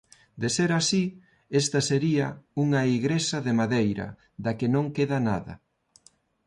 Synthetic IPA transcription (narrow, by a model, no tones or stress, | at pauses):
d̪eseɾasi | est̪ɐseɾiɐuŋɐiɣɾesɐðemaðejɾɐ̰ | ðɐkenõŋkeðɐnaðɐ̰